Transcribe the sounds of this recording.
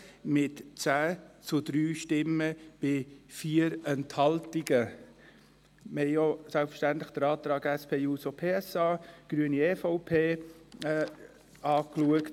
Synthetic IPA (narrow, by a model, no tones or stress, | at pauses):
mɪtt͡sæːt͡sʊd̥̪ɾyːʃtɪməb̥ɪfiːəɾɛnthɑltiɡə | məhɛɪosɛlpfə̥ʃtænt̪ləxd̥əɾɑːt̪ɾɑːɡɛspʰeːjuːsopʰeːɛsɑːɡ̥ɾyəniefaʊpʰeː | ɑːkluəkt